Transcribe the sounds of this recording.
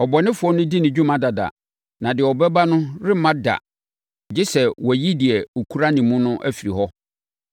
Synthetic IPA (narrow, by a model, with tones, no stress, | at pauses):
ɔ˨bɔ˨nɪ̃˦fʊ˨˦ɔ˦nʊ̃˦di˦nɪ̃˨d͡ʑᶣũ˦mã˨da˨da̰˨ | nã˨dɪ˨ɛ˨ɔ˨bɛ˦ba˦nʊ̃˦ɾɪ˦mã˦da̰˨ | d͡ʑɪ˦sɛ˨wʔɔ˨ji˦dɪ˨ɛ˨o˨kʰu˦ɾa˦nɪ̃˨mũ˦nʊ̃˦ʔæ̰˦fi˨ɾi˨hɔ˦